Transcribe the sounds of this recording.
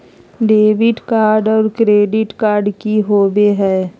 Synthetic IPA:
ɖeːʋɪʈkaːɾɖɔːɾkɾeːɖɪʈkaːɾɖkiɦoːbeɦɛː

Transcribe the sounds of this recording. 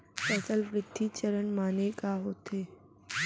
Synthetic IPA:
pɛsəlʋɾɪd̪ʱːit͡ʃəɾənmaːnekaɦoːt̪eː

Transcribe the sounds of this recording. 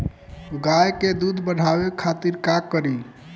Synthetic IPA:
ɡajked̪ud̪ʱbəɽ̤ʱabekʰat̪iɾkakːəɾi

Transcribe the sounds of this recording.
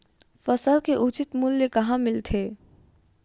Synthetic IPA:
fɐsəlkeʔʊt͡ʃɪt̪mulːekɐɦãmɪlt̪ʰeː

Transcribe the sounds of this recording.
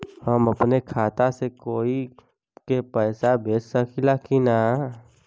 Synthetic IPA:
həməpnekʰaːt̪asekoːi | kepəːsabʱeːssəkʰilakina

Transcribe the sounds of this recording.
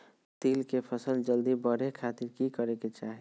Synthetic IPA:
t̪iːlkepʰəsəld͡ʒəld̪ibəɾekʰaːt̪ɪɾkikəɾeket͡ʃaːɦi

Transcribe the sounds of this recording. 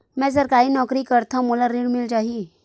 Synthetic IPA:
mɛ̃d͡zəɾkaɦiːnɔkɾiːkəɾt̪ʰamulaɾiɽmild͡ʑaɦi

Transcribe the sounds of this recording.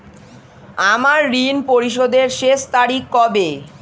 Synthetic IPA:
amaɾːinpoɾiʃ̬od̪eɾʃeʃt̪aɾikːɔbe

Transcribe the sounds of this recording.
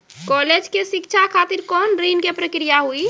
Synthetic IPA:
kɔled͡ʒkesikt͡ʃʰakʰat̪iɾkɔnɾinkepɾəkɾijaɦui

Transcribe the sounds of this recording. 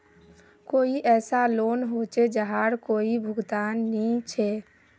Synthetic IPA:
koːiʔɛːsaloːnɦot͡ʃed͡ʒəɦaɽkoːibʱʊɡt̪aːnːĩt͡ʃʰɛ

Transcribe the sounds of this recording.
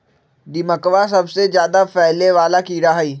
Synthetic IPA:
d̪ɪməkʋas̬ɐbsezjaːd̪apɛːleʋaːlakiːɾaɦiː

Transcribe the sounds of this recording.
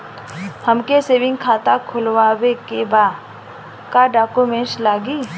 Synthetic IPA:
həmkeseːʋɪ̃ŋɡkʰaːt̪akʰʊlwaːwekebaːd̪ | kaɖaːkumẽslaːɡiː

